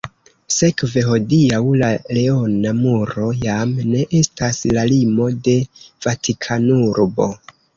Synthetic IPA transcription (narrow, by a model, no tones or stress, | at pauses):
se̞kve̞ɦo̞diawlale̞o̞namuɾo̞jamne̞ʔe̞staslalimo̞de̞v̥atʰikʰanuɾbo̞